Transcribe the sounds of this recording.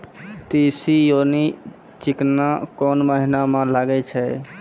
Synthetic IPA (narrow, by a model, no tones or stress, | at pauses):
t̪isijoni | t͡ʃiknakɔnməɦinamẽlaɡɛt͡ʃʰɛ